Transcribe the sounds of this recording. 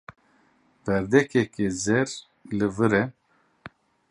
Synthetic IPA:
b̥ɛɾd̪ɛkɛkezɛɾ | lɨvɨɾɛ

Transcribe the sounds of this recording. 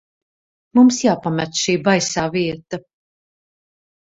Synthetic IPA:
mumsjaːpamæt̪ʃiːbajsaːviɛt̪ɐ

